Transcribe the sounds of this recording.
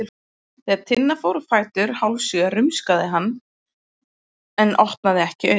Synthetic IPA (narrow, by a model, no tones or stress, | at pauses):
ɪ̥ | t̪ɪaðt̪ʰɪnːafoːwɾʏfaːjt̪ʏɾ̥hawlsʏɣaɾʏmskaðɪɦanː | ɛnːʔɔht̪naðɪɛhcɪœː